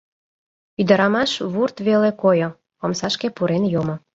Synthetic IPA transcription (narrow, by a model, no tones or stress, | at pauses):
yd̪ə̆ɾɑmɑʃβurt̪βelekojo | omsɑʃkepuɾenjomŏ